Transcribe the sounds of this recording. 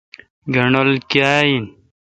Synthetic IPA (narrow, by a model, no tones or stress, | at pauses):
ɡɐɳolkaːin